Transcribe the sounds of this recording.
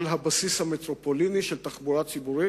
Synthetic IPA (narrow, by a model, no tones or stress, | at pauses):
lɦabasishamet̪ɾopoliniʃelt̪aχbuʁat͡sibuɾi